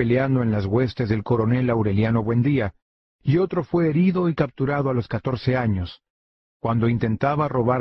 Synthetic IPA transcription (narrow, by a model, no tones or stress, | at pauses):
eleand̪o̞e̞nlazɣwe̞st̪e̞zðe̞lko̞ɾo̞ne̞lawɾe̞ljano̞βwe̞nd̪ia | io̞t̪ɾo̞fwe̞ːɾiðo̞ikap̚t̪uɾaðoalo̞skat̪o̞ɾse̞aɲo̞s | kwand̪o̞int̪e̞nt̪aβaro̞βaɾ